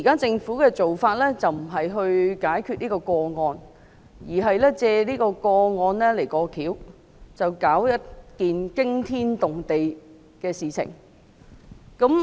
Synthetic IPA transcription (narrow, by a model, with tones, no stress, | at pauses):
i˨˩kaː˥t͡sɪ˧ŋfuː˨˥kɛː˧t͡so˨wfaː˧t̚lɛː˥t͡sɐ˨wm̩˨˩ɦɐ˨jɦɵ˧ɥkaː˨˥jkʰy˧t̚niː˥kɔː˧kɔː˧ŋɔː˧n | jiː˨˩ɦɐ˨jlɛː˥t͡sɛː˧liː˥kɔː˧kɔː˧ŋɔː˧nlɛ˥le˨˩jkɔː˧kʰiː˨˥w | t͡sɐ˨wkaː˨˥wjɐ˥t̚kiː˨nkɪ˥ŋt̪ʰiː˥nt̪ʊ˨ŋt̪e˨j | kɛː˧siː˨t͡sʰɪ̰˨˩ŋ | kɐ˨˥m